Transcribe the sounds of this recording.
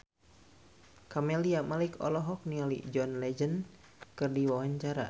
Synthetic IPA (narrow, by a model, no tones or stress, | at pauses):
kamɛliamalikɔ̰lɔɦɔk̚nialḭd͡ʒɔnlɛd͡ʒən | kɨrdiwawaɲt͡ʃaɾa̰